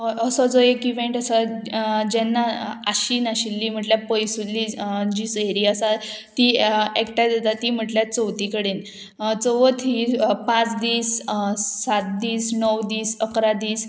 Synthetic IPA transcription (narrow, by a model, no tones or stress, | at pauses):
əsɔd͡zoekiʋẽɳʈəsad͡ʑɛnːaaɕiːnaɕilːiːm̤əʈljapəjsulːid͡ʑiːsəɦeɾiːəsa | t̪iːekʈad̪at̪at̪iːm̤əʈljat͡səwt̪ikəɽen | t͡səʋət̪ʰiːpãt͡sd̪iːssat̪̚d̪iːsnəwd̪iːsəkɾad̪iːs